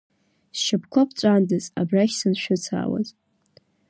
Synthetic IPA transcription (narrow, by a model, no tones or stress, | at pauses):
sʃapʰkʷʰapʰt͡ɕʷʼandɨza̰braʃʲsɨnʃʷᶣʊt͡sʰa̰ːwa̰z